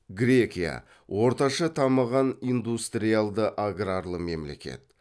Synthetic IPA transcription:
ɡɾʲe̞kʲija̰ | wʔo̞ɾt̪ɑʃɑt̪ʰɑməʁɑnijnd̪ust̪ɾijalˠd̪əʔaɡraɾlˠəme̞mle̞̰kʲe̞̰t̪̚

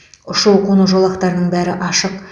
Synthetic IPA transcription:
ʊʃuwqʰonuʒolˠɑqt̪ɑɾənəɴbæɾɪʔɑʃəq̚

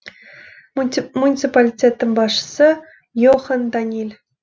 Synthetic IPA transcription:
munʲitt͡sɨpalʲitʲet̪ːɤ̆mʲbɑʂsɤ̆ | joχɤ̆nd̪ɑnʲilʲ

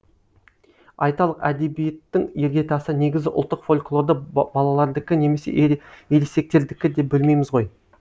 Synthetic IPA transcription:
ɑjt̪ɑlˠəqæd̪e̞bijet̪ːɪŋje̞ɾɡʲe̞t̪ʰɑsəne̞ɡʲɪzɡʲɪʔʊlˠt̪ːəqfo̞lʲklˠo̞ɾd̪əbɑlˠɑlˠɑɾd̪ɪkʲɪne̞me̞sḛjelese̞k̚t̪e̞ɾd̪ɪkʲɪd̪e̞p̚bɪlme̞jmɪzʁo̞j

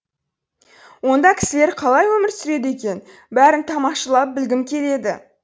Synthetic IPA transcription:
wo̞nd̪ɑkʲʰɪ̥sɪleɾqʰɑlˠɑjwɵmɪɾsʏɾe̞d̪e̞kʲe̞n | bæɾɪnt̪ʰɑmɑqʃəlˠɑp̚bɪlɡʲɪmkʲʰe̞le̞d̪ɪ̰

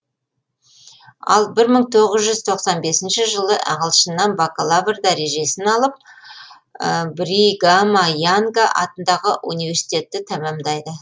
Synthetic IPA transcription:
ɑ̰lˠbɪɾməɴt̪ʰo̞ʁəzʒʏzt̪ʰo̞qsɑnbe̞sɪnʃɪʒəlˠəʔɑ̰ʁəlˠʃənːɑnbakolˠavrd̪æɾe̞ʒe̞sɪnɑlˠəp̚ | bɾiɡamajaŋɡaʔɑt̪ənd̪ɑʁəʔunijvʲe̞ɾsi̥t̪e̞t̪ːɪt̪ʰæmɑmd̪ɑjd̪ə

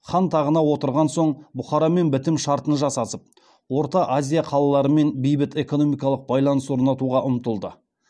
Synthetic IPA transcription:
χɑnt̪ʰɑʁənɑwo̞t̪əɾʁɑnso̞ɴbʊχɑɾɑme̞nbɪt̪ɪmʃɑɾt̪ənʒɑsɑsəp̚ | wo̞ɾt̪ɑʔazʲijɑqʰɑlˠɑlˠɑɾəme̞nbijbɪt̪e̞ko̞no̞mijkɑlˠəq̚bɑjlˠɑnəso̞ɾnɑt̪uʁɑʔʊmt̪əlˠd̪ə

